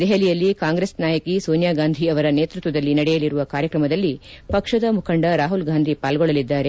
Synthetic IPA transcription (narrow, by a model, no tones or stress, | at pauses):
d̪ɛɦɐlijɐlːikaːŋɡɾeːsnaːjɐkisoːnjaːɡaːnd̪ʱiɐʋɐɾɐneːt̪ɾut̪ʋɐd̪ɐlːinɐɽɛjɐliɾuʋɐkaːɾjɐkɾɐmɐd̪ɐlːipɐkʂɐd̪ɐmukʰɐɳɖɐɾaːɦulɡaːnd̪ʱipaːlɡɔɭːɐlid̪ːaːɾe̞